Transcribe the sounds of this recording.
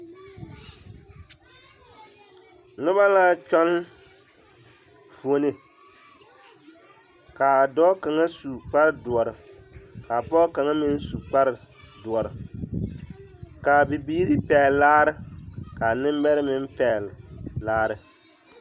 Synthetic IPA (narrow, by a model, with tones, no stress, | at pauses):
nʊ˦ba˦laː˦t͡ʃɔ˦n˦ | pu˨o˦nɪ˨ | ka˨dɔː˦ka˨ŋa˦su˨k͡pa˦ɾɨ˦dʊ˨ɔ˨ɾɨ˨ka˨pɔ˦ka˨ŋa˦mɪ˦n˦su˨k͡pa˦ɾɪ˨ | dʊ˨ɔ˨ɾɨ˨ | ka˨bɪ˨biː˦ɾi˦pɛ˨laː˦ɾɨ˦ka˨nɪ˦m˦bɛ˦ɾɨ˦mɪ˦m˦pɛ˨llaː˦ɾɨ˨